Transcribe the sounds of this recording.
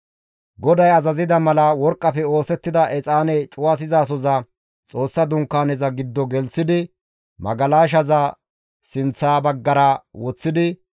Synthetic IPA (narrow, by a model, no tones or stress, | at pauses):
ɡɔd̪ɐjɐzɐzɪd̪ɐmɐlɐwɔɾkʼːɐfɛo̞ːsɛt̪ːɪd̪ɐʔɛt͡sʼaːnɛt͡ʃʼʊwas̬ɪzaːs̬ɔzɐ | t͡sʼo̞ːsːɐd̪ʊŋkːaːnɛzɐɡɪd̪ːɔɡɛlsɪd̪ɪ | mɐ̰ɡɐlaːʃ̬ɐzɐ | sɪnt͡sːaːbɐɡːɐɾɐwɔt͡sːɪd̪ɪ